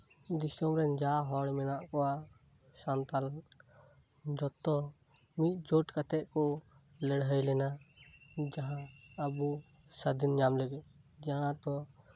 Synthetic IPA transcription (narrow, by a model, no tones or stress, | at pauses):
d̪isɔmɾɛnd͡ʒaɦɔɽmɛnaʔkɔwa | sant̪aln | d͡ʒɔt̪ɔ | mit̪̚ˀd͡ʒɔʈkat̪ɛʔkɔ | lɛɽɦəjlɛna | d͡ʒaɦãː | bu | sad̪inɲamlɛɡɛ | d͡ʒaɦãt̪ɔ